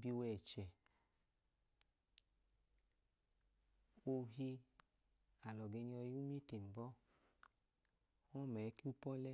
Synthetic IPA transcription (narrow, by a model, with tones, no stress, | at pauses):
bi˧wɛ˨t͡ʃɛ˨ | o˧ɦi˧ | a˨lɔ˨ɡe˧ɲi˧ɔ˧ju˦mi˦ti˨m̩˨bɔ˦ | ɔ˦mɛ˨˦ki˦u˦pɔ˦lɛ˦